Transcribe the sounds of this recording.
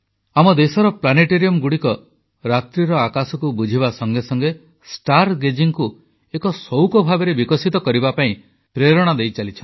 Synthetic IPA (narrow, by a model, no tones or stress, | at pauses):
amɔd̪esɔɾɔplaneʈeɾiɔmɡuɽikɔ | ɾat̪ɾiɾɔakasɔkubud͡ʒʱibasɔŋɡesɔŋɡe | sʈaɾɡed͡ʒiŋku | ekɔsɔwkɔbʱabeɾebikɔsit̪ɔkɔɾibapaĩ | pɾeɾɔɽ̃ad̪ejt͡ʃalit͡ʃʰɔ